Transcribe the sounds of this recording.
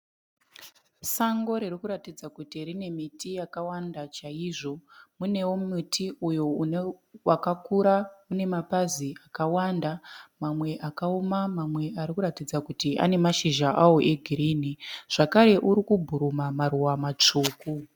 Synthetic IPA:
saŋɡo̞ɾirikuɾatid͡zakutirine̞mitijakawandat͡ʃaiʐo̞mune̞womitʰiujo̞ | wakakuɾaune̞mapaziʔakawandamamwe̞ʔakaomamamwe̞ʔaɾikuɾatid͡zakutiʔa̰ne̞maʃiʒaʔawoʔeɡʱiɾiːniʐ̥akaɾe̞ʔuɾikubʱuɾumamaruwamat͡ʂuːku

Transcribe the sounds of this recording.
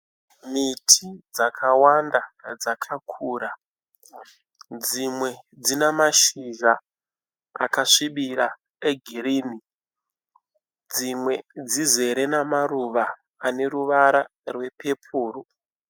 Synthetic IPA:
mitʰid͡zakʰawandad͡zakʰakʰuːɾa | d͡zimwe̞d͡zinemaʃiʒa | a̰kaʂiɓiɾa | eɡʱiɾiːni | d͡zimwe̞d͡zize̞ɾe̞namaruʋaː | ne̞ruʋaɾa | rwe̞pʰe̞pʰuːru

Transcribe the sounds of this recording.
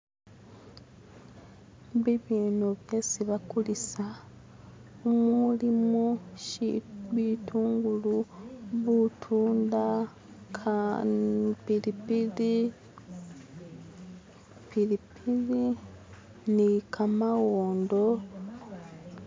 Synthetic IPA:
βiβiːnuβjeːsiβakulisa | umuulimuʃβituːŋɡuluβutʰuːnda | kʰa | pilipili | pilipili | nikamawoːndo̞

